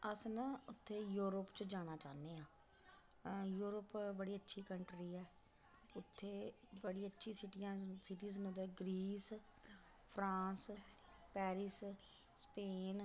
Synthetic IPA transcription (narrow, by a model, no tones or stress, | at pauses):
əsnəʊt̪ʰːeːjuːɾəpt͡ʃəd͡ʒaːɽ̃aːt͡ʃa̰ːneːãː | juːɾəpbəɽiːətːʃʰiːkəɳʈɾiːɛː | ʊt̪ʰːeːbəɽiːətːʃʰĩːsɪʈijãːsɪʈiːznd̪əɾɡɾiːs | pʰɾãːs | pɛːɾɪs | speːn